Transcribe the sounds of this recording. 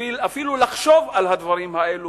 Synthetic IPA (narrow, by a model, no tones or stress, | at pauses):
iafilulaχʃo̞valhad̪vaʁimhaelu